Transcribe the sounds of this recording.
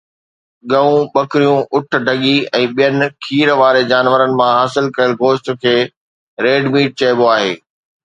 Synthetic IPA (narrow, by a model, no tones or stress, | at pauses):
ɠɐũɓɐkɪɾijũʔʊʈ̆ʰɖʱɐɠiɛ̃ːɓijənɪ̆kʰiːɾʋaːɾed͡ʑaːnʋəɾənɪ̆mãɦaːsɪlkɐɾəlɡoːʃʈkʰeː | ɾeːɖmiːʈ̚t͡ɕɐɪboaːɦḛː